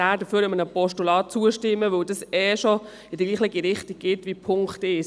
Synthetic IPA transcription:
æːɾdəføːɾəmənəpɔʃtulɑːt̚t͡suəʃtɪmːəʋɵwdɑsɛːʃo | ɪd̥əɡliːχlɪɡiɾɪχtiɡ̚ɡ̥ɪtʋipʰʊŋktɪʃ

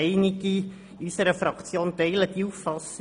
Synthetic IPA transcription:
ɛɪnɪɡi | ysəɾəfɾɑkt͡sjoːnt̪ɛɪləd̥̪iufːɑs

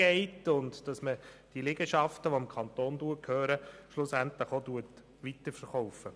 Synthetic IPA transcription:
ɛɪtʊndd̥ɑsməd̥ilɪɡəʃɑftəʋoɪmkʰɑnt̪oːnduəkʰhøːɾəʃlʊsæntləχotuət | ʋitəɾfəɾχɔʊfə

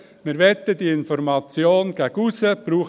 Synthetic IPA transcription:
mɪɾʋɛt̪ːədiɪnfɔɾmɑt͡sjoːnɡ̥æɡusəb̥ɾuːχ

